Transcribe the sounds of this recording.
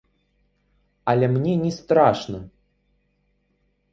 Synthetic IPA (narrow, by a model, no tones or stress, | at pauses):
alʲemnʲenʲɛst̪ɾaʂnə